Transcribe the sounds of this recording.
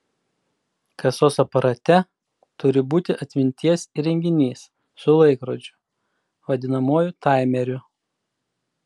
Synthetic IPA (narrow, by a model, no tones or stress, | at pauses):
kɐsoːsɐpɐɾɐt̪ʲɛ | t̪ʊɾʲɪbuːt̪ʲɪʔɐt̪ʲmʲɪnʲt̪ʲiɛsiɾʲɛŋʲɡʲɪnʲiːsː | ʊlˠɐɪkɾoːd͡ʒʲʊ̥ | ʋɐd̪ʲɪnɐmoːjʊt̪ɑˑɪmʲɛɾʲʊ